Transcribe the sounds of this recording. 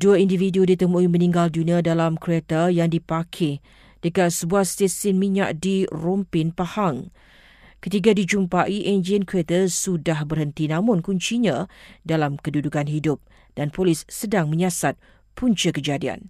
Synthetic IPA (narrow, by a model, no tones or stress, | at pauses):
duaindividudit̪əmuʔimə̃nĩŋɡalduniadalamkɾet̪əjaŋdipakʰɛ | d̥əkat̪səbuahst̪esɪnmĩɲa̰ʔdirɔmpɪnpahaŋ | kət̪iɡadid͡ʒumpaʔiʔɛnd͡ʒiənkɾet̪əsudahbərhənt̪inãmʊnkuɲt͡ʃiɲãdalamkədudukanɦidʊp̚ | d̥anpolɪsːədaŋmə̃ɲasat̪̚ | pʰuɲt͡ʃəkəd͡ʒadia̰n